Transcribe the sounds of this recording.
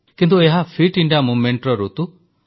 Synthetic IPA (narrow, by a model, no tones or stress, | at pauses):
kint̪ueɦapʰiʈiɳɖiamumeɳʈɾɔɾot̪u